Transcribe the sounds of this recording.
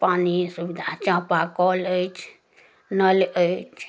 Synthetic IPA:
panisubid̪ʱat͡ʃãpakɔlət͡ʃ | nəlʔəit͡ʃ

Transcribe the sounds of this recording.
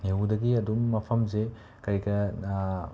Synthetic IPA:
newdɐɡiɐdumːɐpʰɐmze | kɐɾjɡɐ

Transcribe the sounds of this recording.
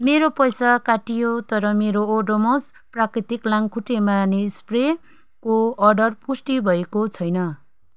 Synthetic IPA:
meɾopʌjsakaʈijot̪ʌɾʌmeɾoːɖomos | prakrit̪iklaŋkʰuʈemaneispre | koʌɖʌrpusʈibʱʌekot͡sʰʌjnʌ

